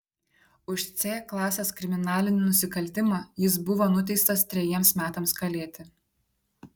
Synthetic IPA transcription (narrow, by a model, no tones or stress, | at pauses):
ʊʃt̪sʲeːklˠɑːsʲeːskɾʲɪmʲɪnɑːlʲɪnʲɪnʊsʲɪkɐlʲt̪ʲɪmɑːjɪsbʊʋoːnʊt̪ʲɛɪst̪ɐst̪ʲɾʲɛjiɛmsmʲæːt̪ɐmskɐlʲeːt̪ʲɪ